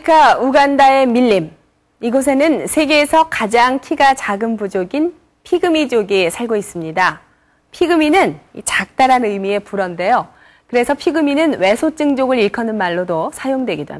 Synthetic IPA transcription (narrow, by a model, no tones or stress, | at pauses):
kʰauɡandae̞miʎːim | iɡos̬ʰe̞nɯnsʰe̞ɡe̞ːsʰʌkad͡ʑaŋkʰiɡat͡ɕaɡɯmpud͡ʑoɡin | pʰiɡɯmid͡ʑoɡisʰaɭɡois͈ɯmɲida | pʰiɡɯminɯnit͡ɕak̚t͈aɾanɯjmie̞puɾʌnde̞jo | kɯɾe̞sʰʌpʰiɡɯminɯnwe̞sʰot͡ɕ͈ɯŋd͡ʑoɡɯɾiɭkʰʌnɯnmaɭːodosʰajoŋdweɡidoa̰